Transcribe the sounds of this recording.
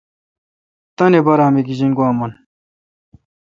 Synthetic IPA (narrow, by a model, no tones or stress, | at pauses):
t̪ɐnebɐɾaːmeɡiʑiŋɡwaːmɐn